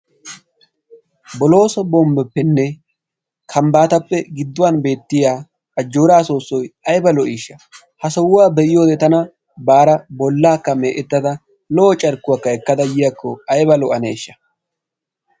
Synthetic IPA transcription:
bɔlo̞ːsɔbɔmbɛpːɛnːɛ | kʰɐmbaːt̪ɐpːɛɡɪd̪ːʊwanbe̞ːt̪ːɪjaː | ɐd͡ʒːoːɾaːso̞ːsːɔjɐjbɐlɔʔiːʃːɐ̥ | hɐsɔwʊwaːbɛʔɪjo̞ːd̪ɛt̪ɐnɐ | baːɾɐbɔlːaːkːɐmeːʔɛt̪ːɐd̪ɐ | lɔʔɔt͡ʃʼɐɾkːʊwakːɐɛkːɐd̪ɐjɪjɐkːɔɐjbɐlɔʔɐnḛːʃːɐ̥

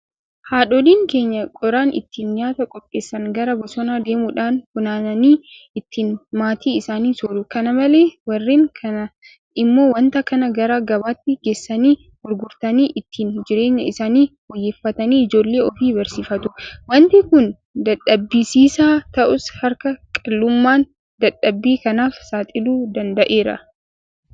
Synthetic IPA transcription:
haːᶑɔliːŋke̞ːɲːɐkʼɔɾaːnʔɪ̰t̪ːiːnɲaːt̪ɐkʼɔpʼːeːsːɐŋɡɐɾɐbɐsɔnaːd̪e̞ːmʊᶑaːnhʊnaːnɐniː | ɪt̪ʰːiːnmaːt̪ʰiːɪsaːniːsɔɾʊkɐnɐmɐle̞ːwɐrːiːŋkʰɐnɐ | ɪmːo̞ːwɐnt̪ɐkɐnɐɡɐɾaːɡɐbaːt̪ːɪɡ̥esːɐniː | hʊɾɡʊɾt̪ɐniːʔɪt̪ːiːnd͡ʒɪɾe̞ːɲːɐɪsaːniːwɔjːeːfːɐt̪ɐniːɪd͡ʒo̞ːlːe̞ːɔfiːbɐɾsiːfɐt̪ʊwɐnt̪ikʊn | d̪ɐɗɐbːiːsiːsaːt̪ɐʔʊshɐɾkɐkʼɐlːʊmːaːn | d̪ɐᶑɐbːiːkɐnaːfsaːt̪ʼɪluːd̪ɐnd̪ɐʔe̞ːɾɐ̰

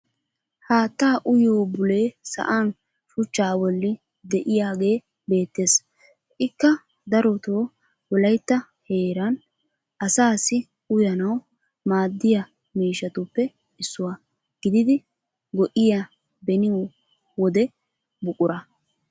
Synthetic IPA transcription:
haːt̪ːaːʔʊjoːbʊleːsɐ̰ʔaːn | ʃʊt͡ʃːaːwɔlːɪ | d̪ɛʔɪjaːɡe̞ː | be̞ːt̪ːe̞ːs | ʔɪkːɐ | d̪ɐɾɔt̪oː | wɔlɐjt̪ːɐ | he̞ːɾɐn | ʔɐsaːsɪ | ʊjɐnɐw | maːd̪ːɪjɐ | miːʃɐt̪ʊpːɛ | ɪsːʊwa | ɡ̥ɪd̪ɪd̪ɪ | ɡɔʔɪja | bɛnɪo | wɔd̪ɛ | bʊkʼʊɾɐ

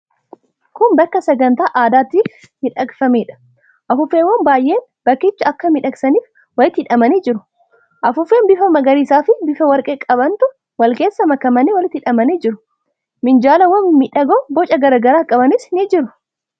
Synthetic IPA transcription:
kʊnbɐkːɐsɛɡɐnt̪aːʔaːd̪aːt̪iːf | mɪᶑɐkfɐmeːᶑɐ̥ | ʔɐfʊfːeːwɐnbaːjʔe̞ːnb̥ɐkːɪt͡ʃːɐɐkːɐmɪᶑɐksɐniːf | wɐlɪt̪ːɪᶑɐmɐniːd͡ʒɪɾʊ̥ | ʔɐfʊfeːnbɪfɐmɐɡɐɾiːsaːfɪbɪfɐwɐɾkʼeːkʼɐbɐnt̪ʊ | wɐlke̞ːsːɐmɐkɐmɐniːwɐlɪt̪ːɪᶑɐmɐniːd͡ʒɪɾʊ | mɪnd͡ʒaːlɐwɐmmɪᶑɐɡobɔt͡ʃʼɐɡɐɾaɡɐɾaːkʼɐbɐnɪsnɪd͡ʒɪɾʊ̥

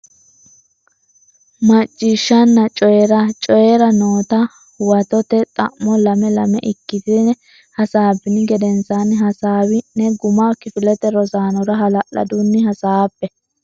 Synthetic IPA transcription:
mɐt͡ʃʼːɪʃːɐnːɐt͡ʃʼɔjɛɾɐt͡ʃʼɔjɛɾɐno̞ːt̪ɐ | wɐt̪ɔt̪ɛt̪ʼɐ̰ʔmːɔlɐmɛlɐmɛ̰ʔɪkːɪt̪ɪn | hɐsaːbɪnɪɡɛd̪ɛnt͡sanɦɐsaːwɪnɛɡʊmakɪfɪlɛt̪ɛɾɔzaːnɔɾɐɦɐlɐʔɐ̰d̪unːɪhɐsaːpːɛ

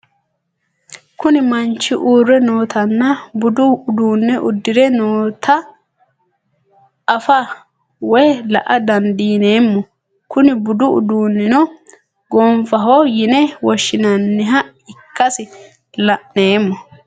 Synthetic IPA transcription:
kʊnɪmɐnt͡ʃːɪʔuːrːɛno̞ːt̪ʰɐnːɐbʊd̪ʊːd̪uːnːɛʔʊd̪ːɪd̪ɛnoːt̪ʰɐ | fɐ | wɔjlɐ̰ʔɐd̪ɐnd̪iːne̞ːmːɔ | kʊnɪbʊd̪ʊʊ̰d̪uːnːɪnɔ | ɡoːmfɐɦojɪnɛwɔʃːɪnɐnːɛɦɐ | ɪkːɐsɪ | lɐʔne̞ːmːɔ

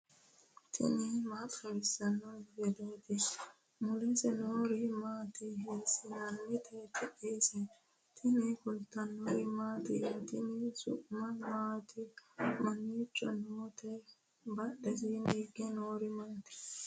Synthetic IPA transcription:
t̪ʰɪ̰nɪmaːt̪ɐwɪsːɐnːɔɡɛd̪oːt̪ɪ | mʊlɛsɛnoːɾɪmaːt̪ɪhesɪnɐnmɪt̪ʰɛt̪ʰɛʔesɛ | t̪ʰɪnɪkʊlt̪ːɐnːoɾɪmaːt̪ɪt̪ɪnɪsʊ̰ʔmɐnmaːt̪ʰɪmɐniːt͡ʃʼːɔnoːt̪ɛ | bɐɗɛsiniːɡɛnoːɾɪmaːt̪ɪ̥

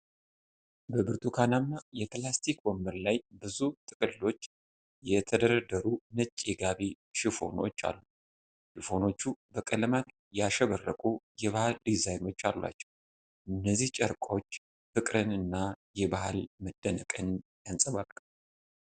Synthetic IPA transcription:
bəbɨɾt̪ʰukʰanamːajɛt̪last̪ʰikwomːɨɾlajbɨzut̪ʼɨkʼɨlːo̞t͡ʃː | jɛt̪ʰəd̪əɾəd̪əɾunət͡ʃʼːeɡaβi | ʃifo̞̰no̞̰t͡ʃːa̰lːu | ʃifo̞no̞t͡ʃːubəkʼəlmat̪ | jaʃɛβərːəkʼujɛβahald̪izajno̞t͡ʃːalːwa̰t͡ʃːɛ̥w | ʔɨnːəzːiht͡ʃʼəɾkʷʼo̞t͡ʃː | fɨkʼɾɨnɨnːajɛbahalməd̪̥ːənəkʼɨnjansʼəβal

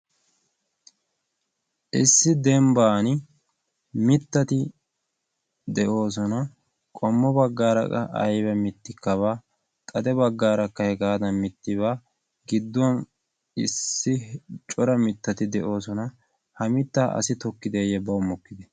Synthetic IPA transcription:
ʔɪsːɪd̪ɛmbaːn | mɪt̪ːɐt̪ɪ | d̪ɛʔo̞ːs̬ɔnɐ | kʼɔmːɔbɐɡːaːɾɐ̰kʼɐ̰ʔɐ̰jbɛmɪt̪ːɪkːɐβaː | kʼɐd̪ɛbɐɡːaːɾɐkːɐhɛɡaːd̪ɐnmɪt̪ːɪβaː | ɡɪd̪ːʊwɐn | ɪ̰sːɪt͡ʃʼɔɾɐmɪt̪ːɐt̪ɪd̪ɛʔo̞ːsɔnɐ | hɐmɪt̪ːaːʔɐ̰sɪt̪ɔkːɪd̪ejɛbɐʊmːɔkːɪd̪ɛ

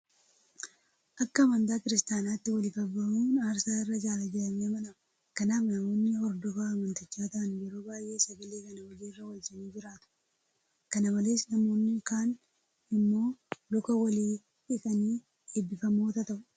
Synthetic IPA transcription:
ʔɐkːɐːmɐnt̪aːkɪɾɪst̪aːnaːt̪ːɪwɐlɪkɐbɐuːnaːɾsaːɪrːɐd͡ʒaːlɐd͡ʒɛlɐneːmɐᶑɐ | kɐnaːfnɐmo̞ːnːɪɔɾd̪ɔfaːɐmɐnt̪ɪt͡ʃːaːt̪ɐʔɐnjɛɾoːbaːjʔe̞ːsɐɡɐleːkɐnɐwɔd͡ʒiːrːɐwɐd͡ʒɐniːd͡ʒɪɾaːt̪ʊ̥ | kɐnɐbɐleːsnɐmo̞ːnːɪkaːn | ɪmːo̞ːlʊkɐwɐliː | ᶑɪkʼɐniː | eːbːɪfɐmoːt̪ɐt̪ɐʔʊ

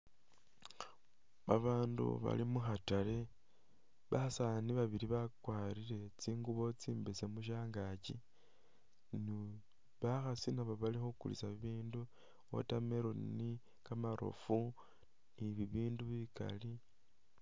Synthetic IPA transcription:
βaβaːndṵβa̰limuxatale̞ | βasaniβaβiɾiβakwaːɾiɾe̞t͡siːŋɡuβo̞t͡siːmbisemuʃ̬aːŋɡaci | ni | βaxasinaβoβalixukṵlḭsaβiβiːndu | o̰tameɾoni | kamaɾo̰fu | niβiβiːnduβika̰li

